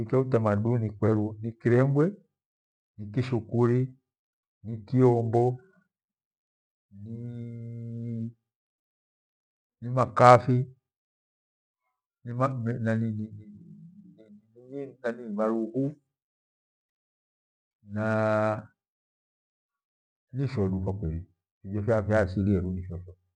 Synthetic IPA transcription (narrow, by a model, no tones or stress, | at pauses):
ikaut̬amadunikwɛɾunikiɾɛŋɡwɛ | nikiʃukuɾi | nikiɔmbɔ | ni | nimakafi | nimamnaninin | ninanimaɾuɡu | na | niʃɔlukakwɛɾi | fid͡ʒɔfjafiasiliɛɾuniʃɔʃɔ